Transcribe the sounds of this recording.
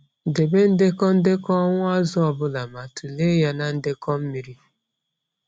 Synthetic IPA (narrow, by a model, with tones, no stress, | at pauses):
de˨be˦n̩˦dɪ˦kɔ˦n̩˦dɪ˦kɔ˦ŋʷʊ˦a˦zʊ˦ɔ˨bʊ˦la˨ma˨tu˨le˦ja˦na˨n̩˦dɪ˦kɔ˦m̩˦mi˨ɾi˦